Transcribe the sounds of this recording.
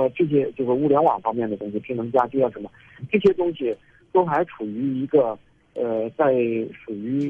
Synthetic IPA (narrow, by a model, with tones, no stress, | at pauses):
ʈ͡ʂɤ˥˩ɕ̬jɛ˥t͡ɕjo˥˧ʊʂɻ̩˥˩u˥˩ljɛ˧˥nwɑ˨˩ŋfɑ˥ŋmjɛ˥˩nd̪ə˩t̪ʊ˥ŋɕ̬i˨˩pʰi˧˥nɤ˧˥ŋt͡ɕja˥t͡ɕjo˥˧jʂə˧˥nmə˧ | ʈ͡ʂɤ˥˩ɕjɛ˥t̪ʊ˥ŋɕi˨˩ | t̪o˥ʊxa˧˥ɪʈ͡ʂʰu˨˩y˧˥i˧˥ɡə˧ | ə˧t͡sa˥˩ɪʂu˨˩y˧˥